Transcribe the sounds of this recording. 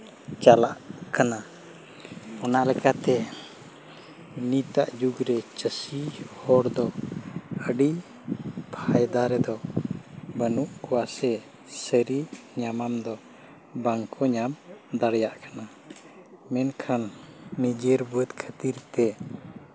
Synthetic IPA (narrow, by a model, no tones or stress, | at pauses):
t͡ʃalaʔkana | ɔnaʔlɛkat̪ɛ | nit̪aʔd͡ʒuɡɾɛt͡ʃəsihɔɽd̪ɔ | əɖi | pʰajd̪aɾɛd̪ɔ | bənuʔkɔwasɛ | səɾiɲamamd̪ɔ | baŋkʰɔɲamd̪aɽjaʔkana | mɛnkʰanːid͡ʒəɾbuət̪kʰət̪iɾt̪ɛ